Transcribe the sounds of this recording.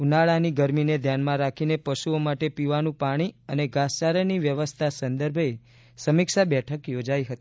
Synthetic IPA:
unaɭaniɡəɾmined̪ʱjanmãɾakʰinepəʃuomaʈepiʋanũpaɽ̃iəneɡast͡ʃaɾəniʋjəʋəst̪ʰasə̃nd̪əɾbʱe | səmɪkʃabɛʈʰəkjod͡ʒaiɦət̪ii

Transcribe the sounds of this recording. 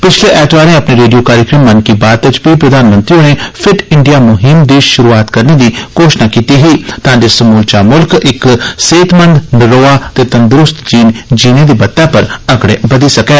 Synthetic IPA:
pɪt͡ʃʰleːʔɛːʈʋaːɾẽːəpneɾeːɖijoːkaːɾjəkɾəmːənkibaːt̪ɪt͡ʃbiːpɾəd̪aːnmə̃nt̪ɾiõneːpʰɪʈɪɳɖijaːmʊɦɪmd̪eːʃʃʊɾuːaːt̪kəɾneːd̪iːkoːʃnaːkiːt̪iɦiːt̪ãːd͡ʒesəmuːlt͡ʃaːmʊlkɪkseːt̪mə̃nd̪nɪɾoːaːt̪eːt̪ənd̪ɾʊst̪d͡ʒiːnd͡ʒiːned̪iːbɐt̪ːaːpəɾəkɽebəd̪iːsəkɛː

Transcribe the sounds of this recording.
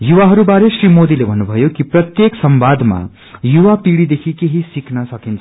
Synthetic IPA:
juwaɦʌɾubaɾesrimod̪ilebʱʌnːubʱʌjokiprʌt̪jeksʌmbad̪ma̰ | juwapiɽid̪ekʰikeɦisiknʌsʌkint͡sʰ

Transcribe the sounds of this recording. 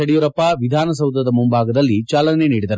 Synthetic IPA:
ɐɽijuɾɐpːɐʋid̪ʱaːnɐsɐwd̪ɐd̪ɐmumbʱaːɡɐd̪ɐlːit͡ʃaːlɐneniːɽid̪ɐɾu

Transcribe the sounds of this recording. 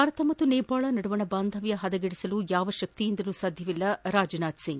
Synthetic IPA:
aːɾɐt̪ʰɐmɐt̪ːuneːpaːɭɐnɐɽuʋɐɳɐbaːnd̪ʱɐʋjɐɦɐd̪ɐɡeɽisɐlujaːʋɐʃɐk̚t̪ijind̪ɐlusaːd̪ʱjɐʋilːɐɾaːd͡ʒɐnaːd̪siŋɡ

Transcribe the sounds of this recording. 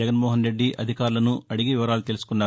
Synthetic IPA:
ɐɡɐnmɔːɦɐnɾe̞ɖːiʔɐd̪ʱikaːɾulɐnuɐɽiɡiʋiʋɐɾaːlut̪elusu̥kunːaː

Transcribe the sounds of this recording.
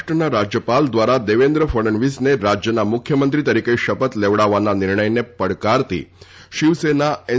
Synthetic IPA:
ʈənaɾad͡ʒjəpald̪ʋaɾad̪eʋend̪ɾəfəɽənʋisneɾad͡ʒjənamʊkʰjəmənt̪ɾit̪əɾikeʃəpət̪leʋɽaʋananɪɾɳəjnepəɽkaɾt̪ḭ | ʃiʋsenae

